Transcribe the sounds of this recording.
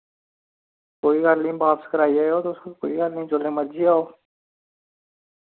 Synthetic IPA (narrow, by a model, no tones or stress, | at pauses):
koːiːɡəɾlĩːbaːpskəɾaːiaːoːt̪oʊskokoːiɡəlnəĩt͡ʃolẽːməɾd͡ʒiːaːoː